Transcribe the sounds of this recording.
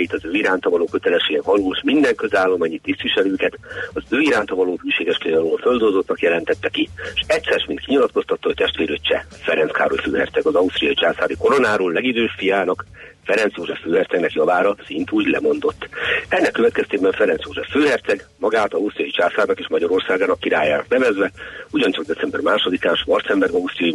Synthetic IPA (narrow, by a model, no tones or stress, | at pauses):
jit̪ɒzøːiɾaːnt̪ɒvɒloːkøt̪ɛlɛʃeːɡɛɦɒluːʃmind̪ɛŋkøzaːlːomaːɲit̪ːist̪ʋiʃɛløːkɛt̪ɒzøːiɾaːnt̪ɒvɒloːɦyːʃeːɡɛʃkeɒloːlfø̞ld̪olzot̪nɒkjɛlɛnt̪ɛt̪ːɛkiʃɛct̪ʲsɛrʃmint̪kiɲilɒt̪ko̞st̪ɒt̪ːɒɦoc̚ʲt̪ɛʃt̪ʋeːɾøːt͡ʃɛ̰ | fɛɾɛnska̰ːɾojiføːɦɛ̰rt̪sɛɡɒzɒust̪rijɒit͡ʃaːsaːɾiko̞ɾo̞naːɾoːllɛɡid̪øːʃfijaːnɒk | fɛɾɛnt̪sjoːʒɛfːøːɦɛrt̪sɛɡnɛkjɒvaːɾɒsint̪uːɟlɛ̰mo̞nd̪o̞t̪ːɛnːɛkːøvɛt̪kɛst̪eːbɛɱfɛɾɛnsjoːʒɛfːøːɦɛrt̪sɛɡmɒɡaːt̪ɒust̪rijɒjit͡ʃaːsaːrnɒkeːʃmɒɟɒɾo̞rsaːɡaːnɒkːiɾa̰ːjaːnɒ̰knɛvɛzʋɛuɟɒnt͡ʃɒɡ̚d̪ɛsɛmbɛrmaːʃo̞d̪ikaːnʃmɒrt̪sɛmbɛɾɒust̪rijɒji